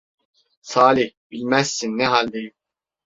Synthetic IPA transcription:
sɑːlihbilmæsːinːɛɦɑld̪ej

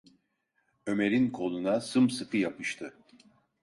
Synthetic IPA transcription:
ø̞me̞ɾʲinkʰo̞lˠunasɯmsɯkʰɯjapʰɯʃt̪ʰɯ

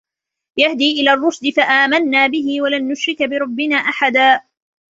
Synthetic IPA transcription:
jahd̪iːʔɪlaːrˤːʊsd̪ɪfaʔaːmanːaːbɪɦɪwalanːʊʃɾɪkbɪɾˤɑbːɪnaːʔaħad̪aː

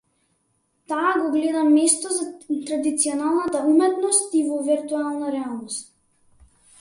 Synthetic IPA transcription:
t̪aːɡɔɡlɛd̪amɛst̪ɔzat̪ɾad̪it̪siɔnalˠnat̪aumɛt̪nɔst̪ivɔviɾt̪ualˠnaɾɛalˠnɔst̪̚

